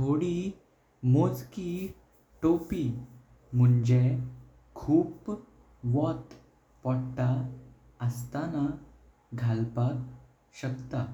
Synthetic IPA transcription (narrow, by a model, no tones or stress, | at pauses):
t̪ʰoɽi | mod͡zki | ʈopi | m̤uɳd͡ʑe | kʰuːp | ʋɔt̪ | pɔɽʈa | əst̪ana | ɡʱalpa | ɕəkt̪a